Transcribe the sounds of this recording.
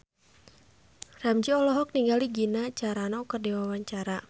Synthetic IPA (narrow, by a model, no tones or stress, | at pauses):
ramt͡ʃiɔlɔɦɔk̚niŋɡaliɡinat͡ʃaɾanaukərdiwawaɲt͡ʃaɾa